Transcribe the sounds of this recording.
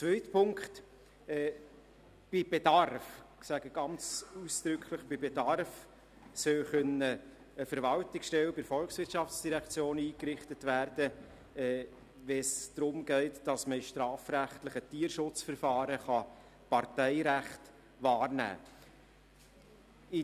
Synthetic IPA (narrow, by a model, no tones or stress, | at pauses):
t͡svœʏtpʰʊŋkχt | ɛː | b̥ɪb̥ed̥ɑrfsæɡəɡ̥ɑnt͡susd̥ɾʏkʰləχb̥ɪbedɑrf | sœwχœnə | əfəɾʋɑltɪksʃtɛwbɪɾfɔlksʋɪɾtʃɑft͡sd̥iɾɛkt͡sjoːniːkɾɪχtətvæːɾdə | ɛː | vɛsd̥ɾʊmɡ̥ɛɪtd̥ɑsməiʃtɾɑːfɾæχtləχətiːɾʃʊt͡sfəɾfɑːɾəχɑ | pɑɾtɛɪɾæχt | vɑːrnæ̰ː | ɪ